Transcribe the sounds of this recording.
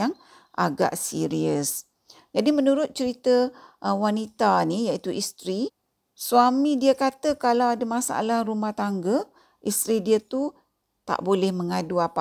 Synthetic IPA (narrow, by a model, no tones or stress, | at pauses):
aŋ | ʔa̰ɡa̰ʔsiɾiəs | d͡ʒadimənuɾʊt̪̚t͡ʃəɾit̪əʔwanit̪anijaʔit̪uʔist̪ɾi | suamidiakat̪əkalawadəmasaa̰lahrumaht̪aŋɡə | ʔist̪ɾidiat̪u | t̪a̰ʔbolɛhməŋaduapa